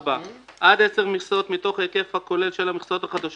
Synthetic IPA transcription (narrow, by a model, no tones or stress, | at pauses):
baʔad̪eseʁmiχsot̪mit̪o̞χeke̞fhako̞le̞lʃe̞lamiχsot̪aχad̪aʃ